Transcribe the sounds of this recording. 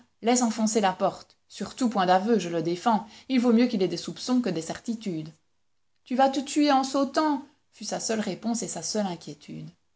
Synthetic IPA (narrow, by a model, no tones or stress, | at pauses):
lɛsɑ̃fɔ̃selapɔʁt̪ | syʁt̪upwɛ̃d̪avøʒələd̪efɑ̃ilvomjøkilɛd̪ɛsupsɔ̃kəd̪ɛsɛʁt̪it̪yd̪ | t̪yvat̪ət̪yeɑ̃sot̪ɑ̃ | fysasœlʁepɔ̃sesasœlɛ̃kʲjet̪ʰy̰d̪